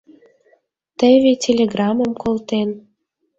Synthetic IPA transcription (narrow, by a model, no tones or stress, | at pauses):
t̪əβʲetʲelʲeɡrɑməmkolt̪en